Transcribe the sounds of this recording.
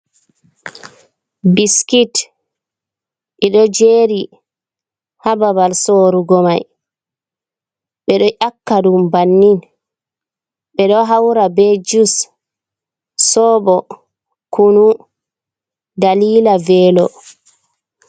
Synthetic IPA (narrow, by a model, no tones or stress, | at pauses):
biskit | ʔɛɗɔd͡ʒeːɾi | hababalsoːɾuɡɔmaj | ɓɛɗɔʔakːaɗumbanːin | ɓɛɗɔɦawɾabed͡ʒus | sɔːbɔ | kʰunu | daliːlavɛːlɔ̰